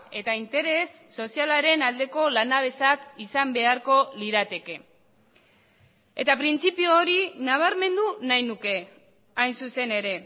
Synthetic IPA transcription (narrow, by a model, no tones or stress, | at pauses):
e̞t̪aint̪e̞ɾe̞sːo̞sialaɾe̞nald̪e̞ko̞lanaβ̞e̞sakisambe̞aɾko̞liɾat̪e̞ke̞ | e̞t̪apɾint͡sipioːɾinaβ̞aɾme̞nd̪unajnuke̞ | ajnsuse̞ne̞ɾe̞